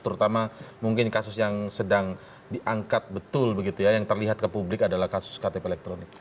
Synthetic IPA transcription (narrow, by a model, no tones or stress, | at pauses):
t̪əɾut̪amamuŋkɪnkasʊsjaŋsədaŋ | diʔaŋkat̪̚bət̪ʊlbəɡit̪ujajaŋt̪ərliɦat̪̚kəpublɪkadalahkasʊ̥skat̪epeːlɛk̚t̪ɾonɪk̚